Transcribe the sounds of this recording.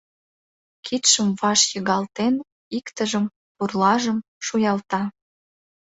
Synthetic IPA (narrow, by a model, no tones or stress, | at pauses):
kʰit̪ʃəmvɑʃjəɣɑlt̪en | ikt̪əʒəm | purlɑʒəm | ʃujɑlt̪ɑ